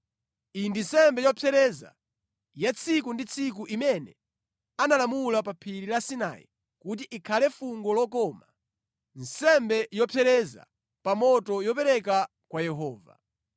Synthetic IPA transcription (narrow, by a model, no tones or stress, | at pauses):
indinsɛmbɛjɔpʰɛɾɛza̰ | jat͡sʰikundit͡sʰik̬uʔimɛnɛ | analamulapapʰiɾilasina̰jḭ | kut̬iʔːkʰalɛfuŋɡɔlɔkɔma | n̩sɛmbɛjɔpʰɛɾɛza̰ | pamɔtɔjɔpɛɾɛka | kwajɛɦɔːva̰